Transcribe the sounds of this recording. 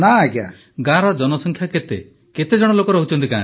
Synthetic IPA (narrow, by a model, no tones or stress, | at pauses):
nakja̰ | ɡaɾɔd͡ʒɔnɔsɔŋkʰjaket̪ḛ | ket̪ed͡ʒɔɽ̃ɔlokɔɾɔɦot͡ʃʰɔnt̪ikã